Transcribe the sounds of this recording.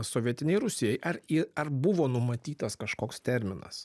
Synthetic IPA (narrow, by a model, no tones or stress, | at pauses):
soːʋʲiɛt̪ʲɪnʲɛɪɾʊsʲɪjɛjʔɐɾɪɐɾbʊʋoːnʊmɐt̪ʲiːt̪ɐskɐʃkoːkst̪ʲɛɾʲmʲɪnɐ̰s